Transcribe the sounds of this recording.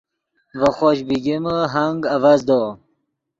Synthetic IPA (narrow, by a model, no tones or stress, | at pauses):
vəxoɕbiɡiməɦaŋɡavazd̪o